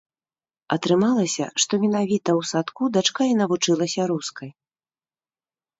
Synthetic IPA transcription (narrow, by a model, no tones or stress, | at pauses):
ɐt̪ɾɨmalˠɐsʲɐ̰ʂt̪ɔmʲin̪avʲit̪ɐwsat̪kud̪at͡ʂkainɐvut͡ʂɨlˠɐsʲɐɾuskɐj